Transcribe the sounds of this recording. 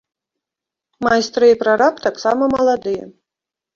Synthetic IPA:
majst̪ɾɨipɾaɾapt̪aksamɐmɐlˠad̪ɨjɛ̰

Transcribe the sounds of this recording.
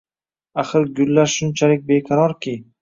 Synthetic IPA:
aχɨɾɡʲʊlːaɾʃʊnt͡ʃʰalɪk̚ʲbe̞qʰɑɾɒɾkʲɪ

